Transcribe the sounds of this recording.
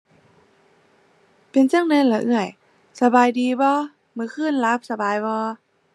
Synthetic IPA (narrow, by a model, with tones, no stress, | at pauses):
pe˧˨nt͡ɕa˧˥˨ŋnɛ˧˥˨nla˧˩ʔɯ˧˩əj | sa˧baː˨˧jdiː˨˧bɔː˧˦ | mɯː˧˦kʰɯː˧˥˨nla˧˦˥p̚sa˧baː˨jbɔː˧˦